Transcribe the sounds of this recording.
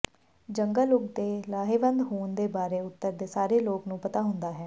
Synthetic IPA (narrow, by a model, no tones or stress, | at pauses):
d͡ʒəŋɡəlʊkd̪eːlaːɦeːʋənd̪ɦoːnd̪eːbaːɾeːʊt̪ːəɾd̪eːsaːɾeːloːknũːpət̪aːɦʊnd̪aːɦɛː